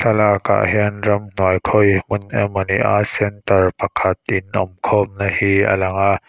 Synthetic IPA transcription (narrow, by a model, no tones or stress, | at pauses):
salaːka̰ʔhɛənrɐmn̥uəjkʰɔjmʊnɛmɔniʔa̰sɛnt̪ərpɐkʰɐt̪̚ʔɪnʔɔmkʰɔm̚nahiːʔɐ̰lɐŋaʔ